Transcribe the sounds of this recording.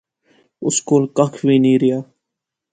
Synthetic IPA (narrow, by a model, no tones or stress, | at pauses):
ʊskoːlkəkʰʋiːniːɾɪjaː